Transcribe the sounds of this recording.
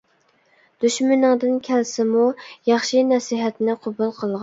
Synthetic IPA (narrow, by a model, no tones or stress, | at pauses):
d̪̥yʃmɪnɨŋd̪ɨnkʲʰɛlsɪmujɑχʃinɛsiɦɛt̪nɪqʰobulˠqʰəlˠʁɑ